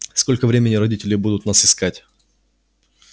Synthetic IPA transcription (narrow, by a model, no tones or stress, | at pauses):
sko̞lʲkəvɾʲemʲɪnʲɪɾɐdʲitʲɪlʲɪbud̪ʊt̪nasɪskatʲ